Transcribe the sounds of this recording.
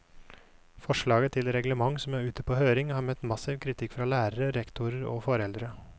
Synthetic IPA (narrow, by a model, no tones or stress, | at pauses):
fɔʂɭɑːɡət̪ʰɪlɾɛɡləmɑŋsɔmæːɾʉːt̪əpʰoːhøːɾɪŋhɑːɾmɛt̪ːmɑsɪʋkʰɾɪt̪ʰɪkːfɾɑːlæːɾəɾəɾɛkt̪ʊɾəɾo̰ːfɔɾɛld̪ɾə